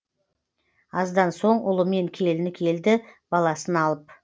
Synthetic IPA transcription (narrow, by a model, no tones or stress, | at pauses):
ɑzd̪ɑnso̞ɴʊ̰lˠəme̞ŋkʲʰe̞lɪnɪkʲʰe̞ld̪ɪb̥ɑlˠɑsənɑlˠəp